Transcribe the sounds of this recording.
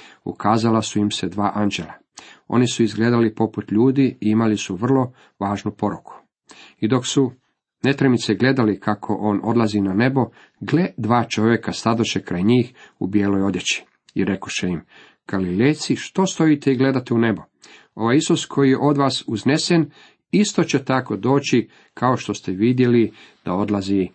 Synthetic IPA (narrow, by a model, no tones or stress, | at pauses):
ṵkaːzalasuimsed̪ʋaːʔand͡ʒelˠa | o̞̰nisuizɡle̞ːd̪alipo̞put̪ʎuːd̪iiimalisuʋr̩lˠo̞ | ʋaːʒnupo̞ɾukʰu̥ | id̪o̞ksu | ne̞t̪ɾemit̪seɡle̞d̪alikʰakʰo̞ʔo̞ːno̞d̪lˠazinane̞bo̞ | ɡled̪ʋaːt͡ʃo̞ʋje̞kast̪ad̪oʃekɾajɲiːxubje̞ːlo̞jo̞d̪jet͡ɕi̥ | ḭɾe̞koʃeim | ɡ̥alilejt̪siʃt̪o̞st̪o̞it̪eiɡle̞d̪at̪eune̞bo | o̞ʋajisuskʰo̞jijeʔo̞d̪ʋaːsuznesen | ist̪o̞t͡ɕe̞t̪ako̞d̪o̞ːt͡ɕi | kʰao̞ʃt̪o̞st̪eʋid̪je̞li | d̪̥ao̞d̪lazi